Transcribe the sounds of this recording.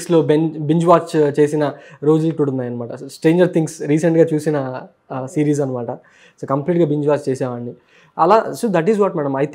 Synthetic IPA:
sloːbebiɲd͡ʒʋaːt͡ʃt͡ʃe̞ːsinɐɾo̞ːd͡ʒɐlʈuɽunːaːjɐnɐmaːʈɐsʈɾe̞ːɲd͡ʒɐɾt̪ʰiŋɡsɾiːs̬ɐɳʈɡaːt͡ʃuːsinɐ | siːɾiːz̬ɐnɐmaːʈɐ | soːkɐmpliːʈɡaːbiɲd͡ʒʋaːt͡ʃt͡ʃeːsɛːʋaːɳːi | ɐlaːsod̪ɐʈizʋɔːʈmɛːɽɐmɐjt̪

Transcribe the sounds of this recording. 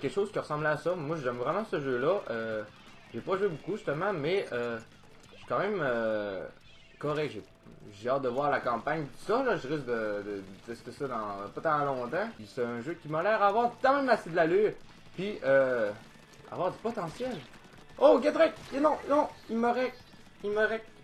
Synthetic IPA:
kʲɛkʃoːz̥kʲiʁəsɑ̃blasɔmwaʒɛmvʁɛmɑ̃səʒølʌʔø | ʒ̥epɔʒwebukuʒyst̪əmɑ̃mɛø | si̥kɑ̃mɛ̃mø | kɔʁɛkʒe | ʒeɑːt̪̚d̪əvwaːʁlakɑ̃paɲt̪u̥sɔlɔʒəʁɪsk̚d̪əd̪əd̪ət̪ɛst̪esɔd̪ɑ̃pɔt̪ɑ̃lɔ̃t̪ɑ̃sɛə̃ʒøkʲimalɛːʁavwaːʁt̪ɑ̃mɛ̃mased̪əlalyːʁ | piø | a̰vwaːʁd̪ypɔt̪ɑ̃sjɛl | ok̬ʲad̪ʁɛk̚nɔ̃nɔ̃ilməʁɛk | ilməʁɛk

